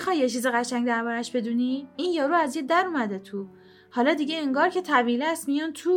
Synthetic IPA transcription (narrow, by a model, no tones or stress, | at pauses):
xɒjːet͡ʃʰiːziɣæʃæŋɟd̪æɾbɒːɾæʃbe̞d̪uːniiːnjɒːɾuæzjed̪æɾumæd̪et̪ʰu | hɒːlɒːd̪iɟeeŋɡɒːɾcʰe̞t̪ʰævilæst̪mijɔːnt̪ʰuː